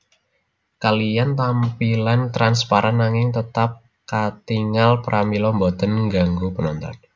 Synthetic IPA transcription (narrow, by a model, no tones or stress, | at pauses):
kalijant̪ampilant̪ɾanspaɾanːaŋɪŋt̪ət̪ap̚ | kat̪iŋalpəɾʔamilɔmbɔt̪ənŋɡaŋɡupənɔnt̪ɔ̰n